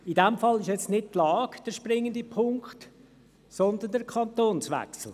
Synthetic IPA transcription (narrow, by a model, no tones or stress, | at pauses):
idɛmfɑlːɪʃjɛt͡stnɪt̚tlɑːɡd̥əɾʃpɾɪŋːəndipʰʊŋkχt | sɔnd̪əndəɾkʰɑnt̪oːnsʋɛ̰ksl̩ˠ